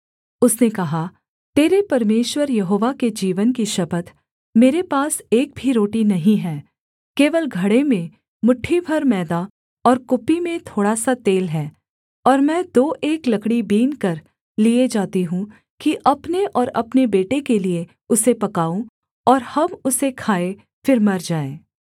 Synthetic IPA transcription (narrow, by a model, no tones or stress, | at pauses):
ʊsnekɐɦa | t̪eːɾepɐɾmeːʃwəɾjɐɦoːʋaked͡ʒiːʋənkiʃɐbət̪ | meːɾepaːseːk̚bʱiɾoːʈinɐɦĩɦɛː | keːʋəlɡʱɐɽemẽ | mʊʈʰːibʱɐɾmɛːd̪a | ɔːɾkʊpːimẽt̪ʰoːɽasat̪eːlɦɛː | ɔːɾmɛ̃ːd̪oːʔeːklɐkɽibiːnkɐɾ | lied͡ʒaːt̪eɦũ | kiʔɐpneʔɔːɾɐ̰pnebeːʈekelie | ʊsepɐkaːũ | ɔːɾhɐbʊsekʰaːe | fɪɾmɐɾd͡ʒaːeː